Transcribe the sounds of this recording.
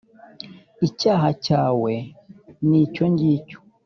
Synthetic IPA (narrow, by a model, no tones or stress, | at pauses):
it͡ʃaɦat͡ʃawɛnit͡ʃɔɲɟit͡ʃu̥